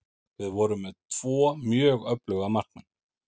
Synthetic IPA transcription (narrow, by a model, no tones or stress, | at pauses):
vɪðvɔɾʏmːɛðt̪ʰv̥ɔːmjœːɣœplœɣamar̥knʏn